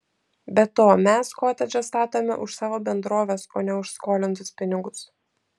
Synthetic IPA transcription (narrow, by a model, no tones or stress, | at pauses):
bʲɛt̪oːmʲɛskoːt̪ʲɛd͡ʒʲɛst̪ɑːt̪oːmʲɛ̰ʔʊʃsɑːʋoːbʲɛnd̪ɾoːʋʲeːsoːnʲɛʊʃskoːlʲɪnt̪ʊspʲɪnʲɪɡʊs